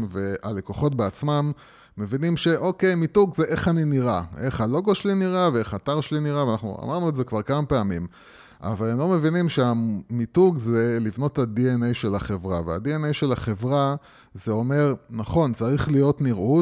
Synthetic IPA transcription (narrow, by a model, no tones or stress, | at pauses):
ve̞ale̞koχo̞t̬̚beat͡smamː | e̞vinimʃe̞ʔo̞ke̞jmituɡzeʔe̞χaniniʁa̰ʔeχhalo̞ɡoʃeliniʁavee̞χataʁʃeliniʁaveanaχnṵa̰maʁnuetzekvaʁkamape̞amim | ʔa̰valemlo̞me̞vinimʃeamituɡze̞livno̞thadienejʃe̞laχe̞vʁavea̰dienejʃe̞laχe̞vʁa | zeo̞me̞ʁnaχo̞nt͡saʁiχlijo̞tniʁu